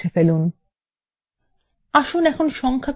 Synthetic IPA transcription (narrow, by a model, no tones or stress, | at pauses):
efelun | aʃonɛkʰonʃɔŋkʰa